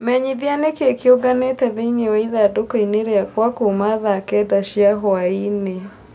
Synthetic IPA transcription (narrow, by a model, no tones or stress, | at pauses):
mɛɲiðjanekekioɡanetɛðeinewɛiðadokɔineɾeakwakomaðaːkɛdaʃiaɦwaine